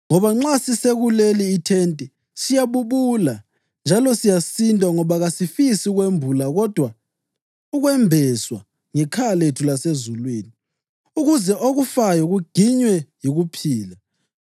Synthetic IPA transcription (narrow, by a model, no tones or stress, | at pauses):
ŋɔβaŋ͡ǁasiseɣuleliːtʰɛntʼɛ | sijaβuβula | nd͡ʒʱalɔsijasindʱʼaŋɔβaɣasifisiɣwembʱulaɣɔd̥ʱwa | uɣwɛmbʱɛswa̰ | ŋɛkʰaletʰulasezulwiːni | uɣuzɛʔoɣufajɔɣuɡ̥ʱiɲwɛjiɣupʰiːla